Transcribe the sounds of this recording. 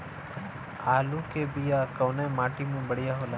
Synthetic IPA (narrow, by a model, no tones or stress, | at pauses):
aːlukebijaːkɐːnamaːʈimẽbəɽ̤ijaɦoːlaː